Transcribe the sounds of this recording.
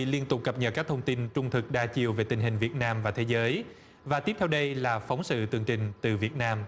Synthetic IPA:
i˧˨li˧ənt̪ʊ˨˩k͡p̚kə˨˩p̚ɲə˨˩kaː˦˥k̚t̪ʰə˧wŋ͡mt̪i˧nt͡ɕʊ˧ŋ͡mt̪ʰɨ˨˩k̚ɗaː˧t͡ɕi˨˩əwve˨˩t̪ï̟˨˩ɦï˨˩ŋ̟vi˨˩ət̚naː˧mvaː˨˩t̪ʰe˨˦zəː˨˦j | vaː˨˩t̪i˦˥əp̚t̪ʰɛ˧wɗə˧jlaː˨˩fa˨˦wŋ͡msɨ̰˧˨t̪ɨ˨˩əŋt͡ɕï˨˩ŋ̟t̪ɨ˨˩vi˨˩ət̚naː˧m

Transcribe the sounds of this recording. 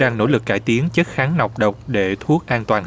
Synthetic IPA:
aː˧ŋno̰˧˥˩lɨ˨˩k̚ːaː˧˩jt̪i˨˦əŋt͡ɕə˦˥t̚xaː˨˦ŋna˨˩wk͡p̚ɗə˨˩wk͡p̚ɗe˧˩t̪ʰu˦˥ək̚ʔaː˧nt̪waː˨˩n

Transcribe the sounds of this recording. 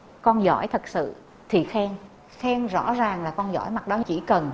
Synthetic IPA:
kɔ˧nzɔ̰˧˥jt̪ʰə˨˩k̚sɨ̰˧˨ | t̪ʰi˨˩xɛ˧ŋ | xɛ˧ŋzɔ̰˧˥zaː˨˩ŋlaː˨˩kɔ˧nzɔ̰˧˥˩jma˨˩t̚ɗɔ˨˦t͡ɕi˧˩kə˨˩n

